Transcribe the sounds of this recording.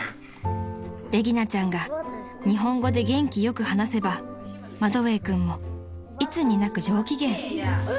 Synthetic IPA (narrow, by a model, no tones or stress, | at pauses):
ɾe̞ɡʲinat͡ɕãŋɡa | ɲ̟iɦõ̞ŋɡo̞d̪e̞ɡẽ̞ŋkʲijo̞kɯ̟hanase̞ba | mad̪o̞βe̞ːkɯ̟̃mːo̞ | it͡sɨɲ̟inakɯ̟ʑo̞ːkʲiɡẽ̞ŋ